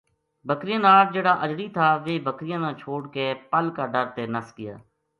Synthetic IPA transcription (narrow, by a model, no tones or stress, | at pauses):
bəkɾɪjãːnaːɾd͡ʒeːɽaːʔəd͡ʒɾiːt̪ʰaːʋeːbəkɾɪjãːnãːt͡ʃʰoːɽkepəlkaːɖəɾt̪eːnəskɪja̰ː